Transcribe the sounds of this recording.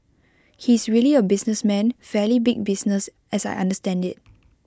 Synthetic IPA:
hiɪsɹiəliəbɪsnəsmɛ̃nfɛlibɪɡ̚bɪsnəs | ʔɛsaɪʔã̰ndəstɛ̃ndɪt̚

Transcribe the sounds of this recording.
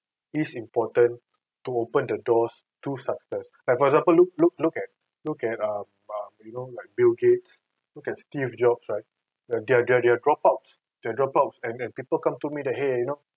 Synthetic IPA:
isĩmpɔtə̃n | tuopə̃ndədɔs | tusaksɛslaɪk̚fɔɹɛkɡzãmpəluk̚luk̚lukɛt̚ | lukɛt̚ãm | ʌ̃mjunolaɪk̚bilɡets | lukɛtstifd͡ʒɔbsɹaɪk̚ | dɛadɛadɛadɹɔpaʊts | d̥ɛdɹɔpaʊtsɛ̃nɛ̃npipəlkãmtumidɛt̚ɦejuno

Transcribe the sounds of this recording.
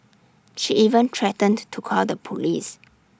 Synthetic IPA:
ʃiʔivə̃ntʰɹɛtə̃ntʰukʰɔldəpʰulis

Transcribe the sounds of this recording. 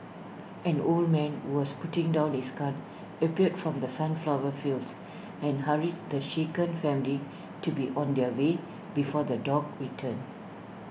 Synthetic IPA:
ɛ̃nold̚mɛ̃nhuwɔsputɪ̃ŋdãʊ̃nhiskãn | əpiədfɹɔ̃md̪əsãnflawəfils | ɛ̃nhaɹid̚d̪əʃekə̃nfɛ̃mili | tubiʔɔ̃nd̪ɛwe | bifɔd̪ədɔɡ̚ɹitʰə̃n

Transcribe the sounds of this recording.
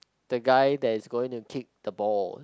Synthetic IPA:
d̥əɡaɪdɛtɪsɡoɪ̃ŋtukʰɪk̚d̥əbɔl

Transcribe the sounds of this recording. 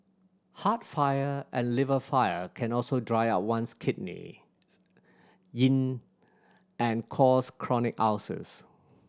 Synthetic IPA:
hatfajəʔɛ̃nlɪvəfaɪəkʰɛ̃nɔlsodɹaɪaʊt̚wãnskʰɪt̚nḭ | jĩn | ɛ̃nkʰɔskʰɹɔnɪka̰ʊsə̰s

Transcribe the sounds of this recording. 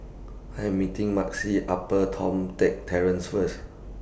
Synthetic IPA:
ajɛ̃mːitĩŋmaksiʔapətʰɔ̰̃mtɛk̚tʰɛɹə̃nsfəs

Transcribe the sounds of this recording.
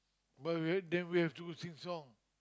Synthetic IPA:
batidɛ̃nwihɛftuɡosĩŋsɔ̃ŋ

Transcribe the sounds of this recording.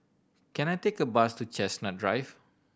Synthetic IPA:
kɛ̃najtekəbastut͡ʃɛsnadɹajf

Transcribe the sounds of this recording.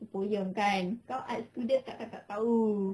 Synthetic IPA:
səpojəŋkankawʔat̪̚st̪udənt̪aʔk̪aʔt̪aʔt̪au

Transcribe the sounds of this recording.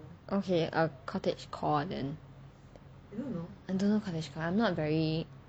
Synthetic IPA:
ʔokʰeʔə̰kʰɔtɪt͡ʃkʰɔdɛ̰̃n | õnoaɪdõnːokʰɔtɪd͡ʒkʰɔãjmnɔtvɛɹi

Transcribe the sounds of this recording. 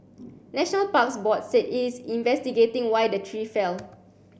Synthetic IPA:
nɛʃɔnəlpaksbɔt̚setisĩnvɛstiɡetɪ̃ŋwajdətʰɹifɛl

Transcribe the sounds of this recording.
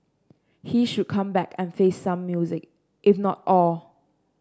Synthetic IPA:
hiʃud̚kʰãmbɛkɛ̃nfesːãmːjuzɪk | ʔɪfnɔt̚ɔl

